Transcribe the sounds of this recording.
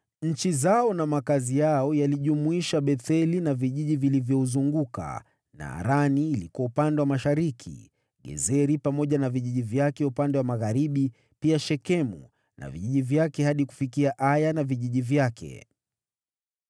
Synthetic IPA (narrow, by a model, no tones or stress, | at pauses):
ɲ̩t͡ʃizaɔnamakazijaɔjaliʄumuiʃaɓɛθɛlinaviʄiʄivilivjɔuzuŋɡuka̰ | na̰ːɾaniːlikɔupandɛwamaʃaɾikʰḭ | ɠɛ̰zɛɾipamɔʄanaviʄiʄivjakɛupandɛwamaɣaɾiɓi | piaʃɛkɛmṵ | na̰vḭʄiʄivjakɛhaɗiku̥fikiaʔajanaviʄiʄivjakʰɛ̰